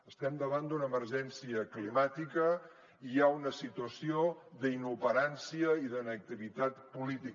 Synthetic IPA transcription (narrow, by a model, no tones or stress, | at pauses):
əst̪ɛmd̪əβand̪unəməɾʒɛnsiəklimat̪ikə | iaunəsit̪uəsioðəinuβəɾansiəiðənək̚t̪iβit̪at̪pulit̪ik